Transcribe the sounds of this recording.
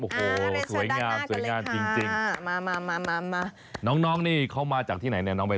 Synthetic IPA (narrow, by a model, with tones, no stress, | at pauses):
ʔoː˧˩hoː˨˩su˩˦əjŋaː˧msu˩˦jjŋaː˧nt͡ɕi˧ŋt͡ɕi˧ŋmaː˧maː˧maː˧maː˧ma˧ | nɔː˦˥ŋnɔː˦˥ŋniː˥˩kʰa˥˩wmaː˧t͡ɕaː˨˩t̪ʰiː˥˩na˩˦jni˥˩ɐnɔː˦˥pa˧